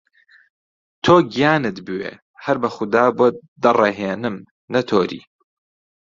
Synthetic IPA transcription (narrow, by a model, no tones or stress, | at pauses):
t̪ʰoːɡijaːnɨt̪bɨwḛː | hɐɾbɐxʊd̪aːboːd̪ɐrˤeɦeːnɨm | nɐt̪ʰoːɾḭː